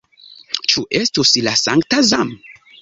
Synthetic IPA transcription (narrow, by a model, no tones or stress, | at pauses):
t͡ʃuʔestuslasaŋktazam